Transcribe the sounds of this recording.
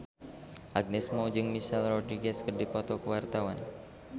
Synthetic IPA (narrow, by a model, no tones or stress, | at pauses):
ʔaɡ̚nɛsmɔd͡ʒɨŋmisalrɔd̪ɾiɡɛskərdipɔt̪ɔkəwart̪awan